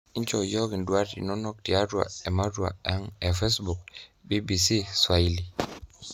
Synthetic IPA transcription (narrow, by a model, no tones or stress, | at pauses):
int͡ʃɔjɔɡinduaɾtḭnɔnɔk̚tiadwa̰ɛmadua̰ʔaŋɛfesbuk̚bibisiswaili